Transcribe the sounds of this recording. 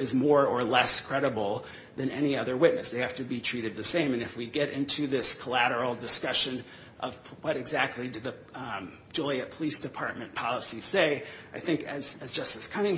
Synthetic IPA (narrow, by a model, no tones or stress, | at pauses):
ɨzmɔɹə˞lɛskʰɹ̥ɛɾəbl̩ˠ | ðɨ̃nɛniʌðə˞wɪʔⁿnɨsðeɪhæftɨbitʰɹ̥iɾɨd̪̚ðɨsẽɪ̃mɨ̃nɨfwiɡɛɾʔɪ̰̃ntʰʉðɪskʰəlæɾə˞l̩ˠdɨskʌʃɨ̃n | ʔʌ̰vwʌɾɨɡzæk̚tˡlidɨd̪̚ðɨ̥ | d͡ʒʊlˠiɨt̚pʰəlisd̥ɨpʰɑɹt̚mɨ̃npʰɑlˠəsiseɪaɪθɪ̃ŋkɨzɨzd͡ʒʌstɨskʰʌnɪ̃ŋ